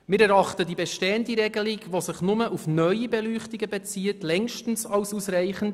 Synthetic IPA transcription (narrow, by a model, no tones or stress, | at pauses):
mɪːɾɛɾɑχtədibeʃteːəndiɾɛɡəliɡʋosɪχnʊməʔufnœʏibɛlyːχtiɡəbet͡siːətlɛŋʃtn̩sɑlsusɾæɪχən̩d